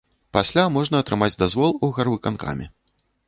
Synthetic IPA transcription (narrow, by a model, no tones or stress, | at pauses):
pasʲlʲamɔʐnɐːt̪ɾɨmad͡zʲd̪azvɔlˠuɣarvɨkanka̰mʲi